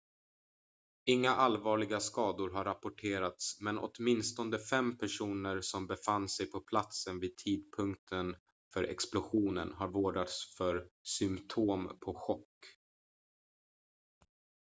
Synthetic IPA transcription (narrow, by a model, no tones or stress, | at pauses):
ɪŋːaʔalvɑːɭɪɡaskɑːd̪ʊɾɦaɾːapʊʈʰeːɾat̪smɛnʔɔ̰t̪mɪnst̪ɔnd̪əfɛmpʰæʂuːnəɾsɔmbɛfanːsɛjpʰɔpʰlat̪sənviːd̪̚t̪ʰiːd̪̚pʰɵŋk̚t̪ʰən | fœɾʔɛ̰ksplʊɧuːnə̰nɦaɾvoːɖat̪sfœɾsʏmt̪ʰoːmpʰɔɧɔkː